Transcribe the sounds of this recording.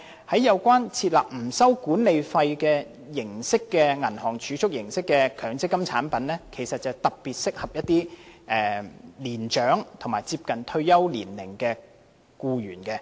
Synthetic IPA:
hɐ˨˥jːɐ˨˧wkʷwaː˥nt͡sʰiː˧t̚la̰ː˨˩p̚m̩˨˩sɐ˥wkuː˨˥nle˨jfɐ˧jkɛː˧ | jɪ˨˩ŋsɪ˥kːɛː˧ŋɐ˨˩nhɔː˨˩ŋt͡ʃʰyː˨˥t͡sʰʊ˥k̚jɪ˨˩ŋsɪ˥kːɛ˧kʰœː˨˩ŋt͡sɪ˥kːɐ˥mt͡sʰa̰ː˨˥npɐ˨˥nlɛː˥kʰe˨˩jsɐ˨t̚t͡sɐ˨wt̪ɐ˨k̚piː˨t̚sɪ˥k̚hɐ˨p̚jɐ˥t̪̚iː˥ʔɛː˨liː˨˩nt͡ʃœː˨˥ŋt̪ʰo˨˩maː˨jt͡siː˧p̚kɐ˨˩nt̪ʰɵ˧ɥjɐ˥wlḭː˨˩nlɪ˨˩ŋkɛː˧ | kuː˧ɥyː˨˩nkɛ˧

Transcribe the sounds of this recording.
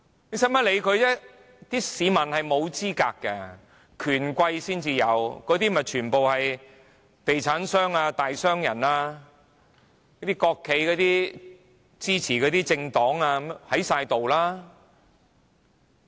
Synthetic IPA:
ne˨˥sɐ˥mɐ˥le˨˧jkʰɵ˨˧t͡sɛ˥ | t̪iː˥siː˨˧mɐ˨˩nhɐ˨jmo˨˧wt͡siː˥kaː˧kːɛ˧ | kʰyː˨˩nkʷɐ˧jsiː˥nt͡siː˧jɐ˨˧wkɔː˨˧t̪iː˥mɐ˨˩t͡ʃʰyː˨˩npo˨whɐ˨j | t̪e˨jt͡sʰaː˨˥nsœː˥ŋaː˧t̪aː˨jsœː˥ŋjɐ˨˩naː˧ | ɐ˥t̪iː˥kɔː˧kʰːe˨˧jkɔː˨˧t̪iː˥ | t͡siː˥t͡sʰiː˨˩kɔː˨˧t̪iː˥t͡sɪ˧ŋt̪ɔː˨˥ŋaː˧hɐ˨˥jsaː˧jt̪o˨wlaː˥

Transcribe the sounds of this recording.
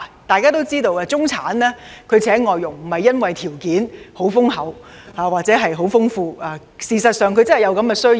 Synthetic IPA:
t̪aː˨jkaː˥t̪o˥wt͡siː˥t̪o˧waː˧t͡sʊ˥ŋt͡sʰaː˨˥nlɛː˥kʰɵ˨˧ɥt͡sʰɛː˨˥ŋɔː˨jːʊ˨˩ŋm̩˨˩hɐ˨jːɐ˥nwɐ˨jt̪ʰiː˨˩wkiː˨˥nho˨˥wfʊ˥ŋɦɐ˨˥waː˨waː˨t̚t͡sɛː˨˥ɦɐ˨jɦo˨˥wfʊ˥ŋfuː˧aː˨˧ | siː˨˧sɐ˨t̚sœː˨˧ŋkʰɵ˨˧ɥt͡sɐ˥hɐ˨˩jɐ˨˧wkɐ˨˧mkɛː˧sɵ˥

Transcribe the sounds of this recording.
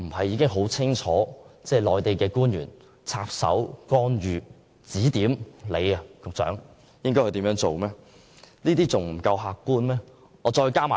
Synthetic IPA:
m̩˨˩hɐ˨jiː˨˧kɪ˥ŋɦo˨˥wt͡sʰɪ˥ŋt͡ʃʰɔː˨˥t͡sɛː˥˧˩lɔː˨˩jt̪e˨jkɛː˧kuː˥njy̰ː˨˩n | t͡sʰaː˧p̚sɐ̰˨˥wkɔː˥nɥyː˨ | t͡siː˨˥t̪iː˨˥mle˨˧jɐ˨kʊ˨k̚t͡sœ̰ː˨˥ŋ | jɪ˥ŋkɔ˥kʰɵ˧t̪iː˨˥mjœː˨˥ŋt͡so˨wmɛː˥ | niː˥t̪iː˥t͡sʊ˨˩ŋm̩˨˩kɐ˧wɦaː˨˧kːuː˥nmɛː˥ | ɔː˨˧t͡sɔː˧jkaː˥ma̰ː˨

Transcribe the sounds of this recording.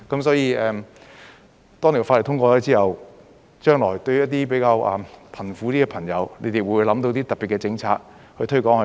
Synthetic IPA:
kɐ˨˥msɔː˨˥jiː˧ɛː˨˧m | t̪ɔː˥ŋʰi˨˩faː˧lt̪ʰʊ˥ŋkʷɔː˧ɔː˨˧˥t͡siː˥hɐ˨w | t͡ʃœː˥ŋlɔː˨˩jt̪ɵ˧ɥjɐ˥t̚t̪iː˥pe˨˧˥jkaː˧wɐː˨˩mpʰɐ˨˩nfu˨˧˥t̪iː˥kɛ˧pʰɐ˨˩ŋjɐ˨˧wnḛ˨˧˥jt̪e˨˩wuː˨˧jlɐ˨˥mt̪o˧wt̪̬iː˥t̪ɐ˨˩pːi˨t̚kɛ˧t͡sɪ˧ŋt͡sʰaː˧t̚ | hɵ˧ɥt̪ʰɵ˥kɔː˨˥ŋɐ˨˩

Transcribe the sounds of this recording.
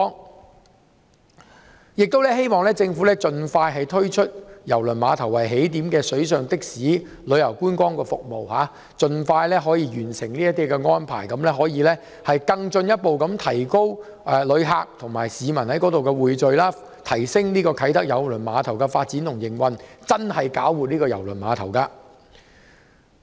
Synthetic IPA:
jɪ˨k̚t̪o˥wlɛː˥ɦe˥jmɔː˨ŋlɛː˥t͡sɪ˧ŋfuː˨˥lɛː˥t͡sɵ˧nfaː˧jɦɐ˨jt̪ʰɵ˥ɥt͡ʃʰɵ˥t̚jɐ˨˩wlɵ˨˩nmaː˨˧t̪ʰɐ˨˩wɐ˨˩jɦe˨˥jt̪iː˨˥mkɛː˧sɵ˨˥ɥsœː˨˧ŋt̪ɪ˥k̚siː˨˥ | lɵ˨˧ɥjɐ˨˩wkuː˥nkwɔː˥ŋkɛː˧fʊ˨k̚mo˨whaː˨˥ | t͡ʃt͡sɵ˧nfaː˧jlɛː˥ɦɔː˨˥jiː˧jyː˨˩nsɪ˨˩ŋniː˥jɐ˥t̪ːiː˥kɛ˧ŋɔː˥npʰa̰ː˨˩jkɐ˨˧˥mlɛː˥ɦɔː˨˥jiː˨˧lɛː˥ | hɐ˨jkɐ˧ŋt͡ʃɵ˧njɐ˥t̚po˨wkɐ˨˥mt̪ʰɐ˨˩jko˥w | ʔɛː˨lɵ˨˧ɥɦaː˨˧k̚t̪ʰʊ˨˩ŋma̰ː˨˩jsiː˨˧mɐ˨˩nhɐ˨˥jkɔ˨˥t̪o˨wkɛ˧wuː˨jt͡ʃɵ˨ɥlaː˥ | t̪ʰɐ˨˩jsɪ˥ŋniː˥kɔː˧kʰɐ˨˥jt̪ɐ˥k̚jɐ˨˧wlɵ˨˩nmaː˨˧t̪ʰɐ˨˩wkɐː˧faː˧t̚t͡si˨˥nt̪ʰʊ˨˩ŋjɪ˨˩ŋwɐ˨nt͡sɐ˥nhɐ˨jkaː˨˥wuː˨t̚niː˥kɔː˧jɐ˨˩wlɵ˨˩nmaː˨˧t̪ʰɐ˨˩wkaː˧

